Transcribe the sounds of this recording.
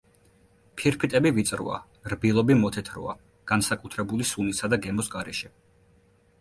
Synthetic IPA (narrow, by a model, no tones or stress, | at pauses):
pʰiɾpʰit̪ʼɛbivit̪sʼɾɔ̰a̰ | ɾbilˠɔbimɔt̪ʰɛt̪ʰɾɔ̰a̰ | ɡ̥ansakʼut̪ʰɾɛbulisunisad̪aɡɛmɔsɡaɾɛʃɛ